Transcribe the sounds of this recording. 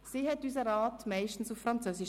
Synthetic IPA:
siːɦɛtys̬əɾɑːtmaɪʃtn̩sufɾɑnt͡søːsiʃ

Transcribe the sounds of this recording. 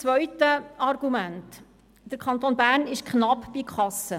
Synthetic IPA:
t͡sʋœɥtəɑrɡ̥umænt | d̥əɾkʰɑnt̪oːnbæːɾnɪʃkχnɑpːb̥ikʰχɑsə

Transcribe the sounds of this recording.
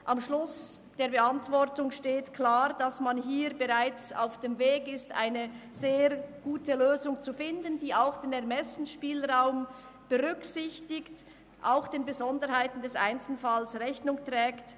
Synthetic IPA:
ʔamʃlʊs | d̥eːɐbəantv̥ɔʁtʊŋʃteːtkʰlaːɾd̥asmanɦiːɾbəʁaɪt͡sa̰ʊfd̥emveːɡɪsta̰ɪnə | z̥eːɾɡ̥uːtəløːzʊŋt͡sufɪndəndiːaʊxd̥eːnɛɐmɛsn̩ʃpiːlʁaʊm | b̥əʁʏksɪçtɪkt | ʔaʊxd̥eːnbəzɔndəɾhaɪtn̩dɛsa̰ɪnt͡sl̩falsʁɛçnʊŋtʁɛːkt

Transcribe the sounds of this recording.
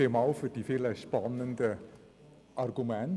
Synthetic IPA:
emɑwfərdifeləspɑnəndə | ʔɑrɡymɛn

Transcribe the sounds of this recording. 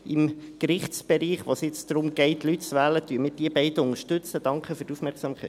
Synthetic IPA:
ɪmkɾɪχtt͡sb̥ɛɾiːχʋosjɪt͡sd̥̪ɾʊmɡ̥ɛɪtlytt͡sʋæːlətyːəmɪːɾd̥iːəbɛɪdəʊŋəʃtʉt͡sədɑŋkχəfyɾtufmɛɾksɑmkʰɛ̰ɪt

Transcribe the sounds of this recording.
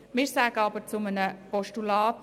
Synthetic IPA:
mɪɾsaːɡ̥əɑbəɾt͡sʊmənəpɔʃtulɑːt

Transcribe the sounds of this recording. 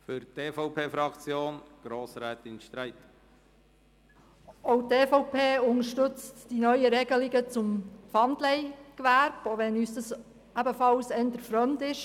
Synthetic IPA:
fyɾteːfɔʊpʰeːfɾɑkt͡sjoːnɡ̥ɾoːsɾɛːtɪnʃtɾaɪt | oʊteːfɔʊpʰeːʊŋəʃtʏt͡std̥inœʏəɾɛɡəlɪɡət͡sʊmfɑndlɛɪkʋæɾb̥oʋɛnyːsd̥ɑs | æbəfɑlsɛnt̪əɾfɾœntɪʃ

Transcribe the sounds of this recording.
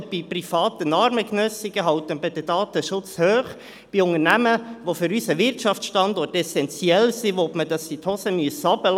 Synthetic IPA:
b̥iprifɑːt̪ənɑɾməknœsiɡəɦɑwt̪ənbɪd̥̪ədɑːt̪əʃʊt͡shøːχ | b̥iʊŋənæməʋofʏɾysəʋɪrtʃɑft͡sʃtɑndɔrtɛsɛnt͡siɛlsiʋopmədɑsit̪hɔsəmyəsɑb̥əl

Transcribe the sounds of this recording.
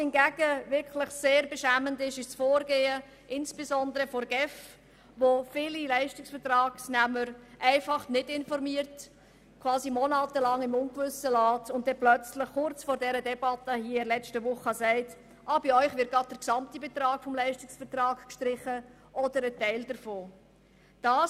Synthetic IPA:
hɪnɡæɡ̥əʋɪɾkʰlɪχseːɾbɛʃæməndɪʃɪʃsfoːɾɡeːə | ʔɪnsb̥esɔndəɾəfɔɾɡ̥ɛf | ʋofɪːlilæɪʃtɪksfəɾtrɑːɡ̥snæməɾʔæɪfɑχnɪdɪnfɔɾmiːɾt | kʰvɑːsimɔnaːtəlɑŋɪmʊnɡvʏsəlɑːtʊntdɛplœt͡slɪχχʊɾt͡sfɔːɾdɛɾədɛbɑtəhiːɪlɛt͡stəʋʊχəəsɛɪt | ʔɑːb̥iɔʏχʋɪɾt̚ɡɑd̚d̥əɾksɑmtibɛtɾɑːɡ̥fɔmlɛɪʃtɪksfəɾtrɑːkkʃtɾɪχə | ʔɔd̥əɾətɛɪldəɾfoː | d̥ɑː

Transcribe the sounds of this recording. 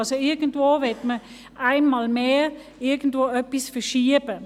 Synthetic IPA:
lsoɪɡ̥əndvoːvɛtmə | ʔaɪnmɑːlmeː | ɪɡən̩dvoːœpːisfəʃiəbə

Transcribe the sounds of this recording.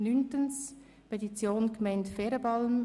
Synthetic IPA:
nyntəns | pʰetit͡sjoːnɡ̥mɛɪntfɛːɾəbɑlm

